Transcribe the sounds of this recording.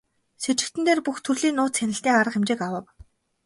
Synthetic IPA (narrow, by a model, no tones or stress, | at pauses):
set͡ɕɪ̆kt̪ɘ̆nt̪eːrpuxt̪ʰɵrɮiːnʊːt̪sænɪ̆ɬt̪eːŋaɾə̆qemt͡ɕɪːkawə̆w